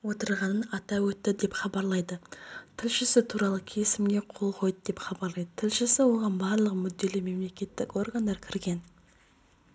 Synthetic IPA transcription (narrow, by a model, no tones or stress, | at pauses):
wo̞t̪əɾʁɑnənɑt̪ɑwɵt̪ːɪd̪e̞pχɑbɑɾlˠɑjd̪ət̪ʰɪlʃɪsɪt̪ʰuɾɑlˠəkʲʰesɪmɡʲe̞qʰo̞lˠqʰo̞jd̪əd̪epχɑbɑɾlˠɑjd̪ət̪ʰɪlʃɪsɪwo̞ʁɑnbɑɾlˠəqmʏd̪ːe̞lɪme̞mle̞kʲe̞t̪ːɪko̞rɡand̪ɑɾkʲʰɪɾɡʲe̞n